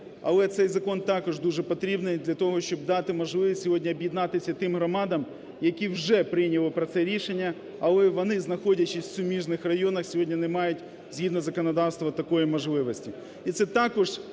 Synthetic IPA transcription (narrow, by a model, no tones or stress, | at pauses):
ɐ̰lˠɛt̪sɛjzɐkɔnt̪ɑkɔʒd̪uʒɛpɔt̪ɾʲibnɪjd̪lʲɐt̪ɔɦɔʃt͡ʃɔb̚d̪ɑt̪ɪmɔʒlˠɪʋisʲsʲɔɦɔdʲnʲiɔbjid̪nɑt̪ɪsʲɐt̪ɪmɦɾɔmɑd̪ɐm | jɐkʲiwʒɛpɾɪjnʲɐlˠɪpɾɐt̪sɛɾʲiʃenʲːɐ | ɐlˠɛʋɔnɪznɐxɔdʲɐt͡ʃɪsʲsʲʊmʲiʒnɪxrɐjɔnɐxsʲɔɦɔdʲnʲinɛmɑjʊtʲ | z̥ʲɦʲid̪nɔzɐkɔnɐd̪ɑwst̪ʋɐt̪ɐkɔjimɔʒlˠɪʋɔsʲtʲi | it̪sɛt̪ɑkɔʒ̥